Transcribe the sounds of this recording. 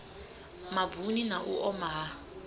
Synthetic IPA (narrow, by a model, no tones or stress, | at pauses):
mavuninaʔuʔɔma